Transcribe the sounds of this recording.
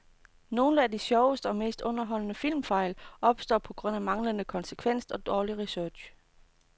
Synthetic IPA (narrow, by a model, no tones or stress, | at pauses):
no̝ːləæd̥isjɒʊəsd̥əɒ̽me̝̰ːsd̥ɔ̽nɐɦɒ̽l̰ənəfil̰mfɑ̈ɪlɒ̽b̥sd̥ɒ̰ːpʰɒ̽ɡ̥ʁɔ̽n̰æmɑ̈ŋlənəkʰɒ̽nsəkʰʋen̰sɒ̽d̥ɒːliʁisøɐ̥ɕ